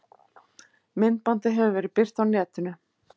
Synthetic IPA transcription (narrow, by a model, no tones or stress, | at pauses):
mɪnt̪̚pant̪ɪɦɛvʏvɛːɾɪpɪr̥t̪awnɛːt̪ʏnʏ